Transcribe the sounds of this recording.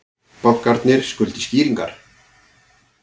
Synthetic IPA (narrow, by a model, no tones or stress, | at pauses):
pawhkaɾt̪nɪɾ̥skʏlt̪ɪ̥sciːɾiŋkaɾ̥